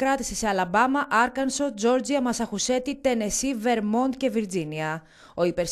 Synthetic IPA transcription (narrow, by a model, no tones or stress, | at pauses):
ɾɐt̪i̥seseɐlɐbɐmɐʔɐɾkɐnso̞d͡zo̞ɾd͡ziɐmɐsɐxuse̞t̪it̪e̞ne̞sive̞ɾmo̞nd̪̚ce̞viɾd͡ziniɐ | o̞ipe̞ɾs